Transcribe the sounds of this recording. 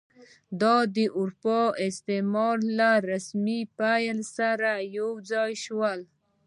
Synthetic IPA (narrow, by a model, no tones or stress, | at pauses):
d̪ɑd̪əʔʊɾpɑɪst̪emɑɾlaɾasmipajalsaɾajowd͡zɑjʃwal